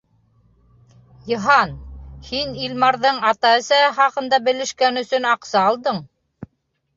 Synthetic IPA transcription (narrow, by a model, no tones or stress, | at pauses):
jɤ̆ɦɑnhinilmɑɾðɤɴɑt̪ɑɘ̆sæχɑqɤ̆nd̪ɑbɘ̆lɘ̆ʃkænɵ̆sɵnɑqsɑːlˠd̪ɤɴ